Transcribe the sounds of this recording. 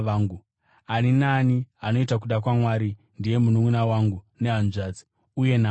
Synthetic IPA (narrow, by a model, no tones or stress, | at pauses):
ʋaːŋɡu | aninaːniano̞itak̬uɗak̬wamwaɾi | ndije̞munuŋunawaŋɡu | ne̞ɦanʐaːd͡zi | uje̞na